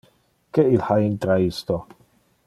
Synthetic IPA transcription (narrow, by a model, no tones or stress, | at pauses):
kɛilħaint̪ɾaist̪o